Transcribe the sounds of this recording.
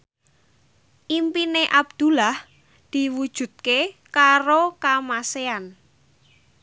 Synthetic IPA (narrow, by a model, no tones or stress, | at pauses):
ʔimpineʔab̚d̪̥ṳlah | d̪̥i̤wud̥ʒ̥ṳt̪̚kekaɾokamasean